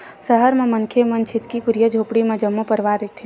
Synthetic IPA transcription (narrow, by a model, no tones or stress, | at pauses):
səɦəɾmẽmənkʰemənt͡ʃʰɪt̪kikʊɾijəd͡ʒʱoːpɽimẽd͡ʒəmːopəɾʋaɾət̪ʰe